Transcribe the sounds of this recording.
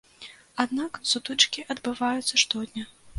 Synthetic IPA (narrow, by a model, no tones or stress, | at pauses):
ad̪naksut̪ut͡ʂkʲiʔɐd̪bɨvajut̪sːɐʂt̪ɔd̪ʲnʲɐ